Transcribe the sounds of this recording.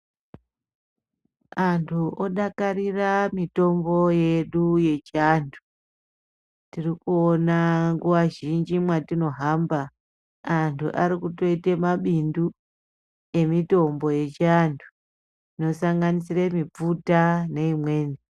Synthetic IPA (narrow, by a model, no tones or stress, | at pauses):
antʰuʔoɗakariramito̞mbo̞je̞ɗuje̞t͡ʃiantʰu̥ | tirikuonaŋɡuʋaʒind͡ʒimwatino̞ɦambaː | ntʰṵʔaɾikuto̞itemaɓindu | e̞mito̞mbo̞je̞t͡ʃiantʰu̥ | ino̞saŋɡanisiremip͡futane̞imwe̞ːni